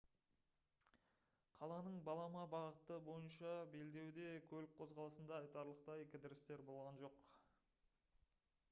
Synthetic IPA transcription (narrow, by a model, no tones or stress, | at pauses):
qʰɑlˠɑnəɴbɑlˠɑmɑbɑʁət̪əbo̞jənʃɑbe̞ld̪e̞wd̪e̞kʲʰɵlɪk̚qʰo̞zʁɑlˠəsənd̪ɑəjt̪ɑɾlˠəq̚t̪ɑekʲɪd̪ɪɾɪst̪e̞ɾbo̞lˠʁɑnʒo̞q